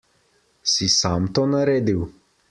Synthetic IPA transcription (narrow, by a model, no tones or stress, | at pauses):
sisaːmt̪oːnaɾeːd̪iw